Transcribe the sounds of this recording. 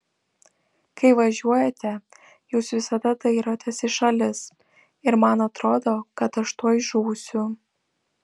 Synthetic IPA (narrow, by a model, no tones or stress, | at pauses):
kɐɪʋɐʒʲuɔjɛt̪ʲɛ | juːsʋʲɪsɐd̪ɐd̪ɐɪɾoːt̪ʲesɪʃɐlʲɪs | ɪɾmɐnɐt̪ɾoːd̪oːkɐt̪ɐʃt̪oɔjʒuːsʲʊ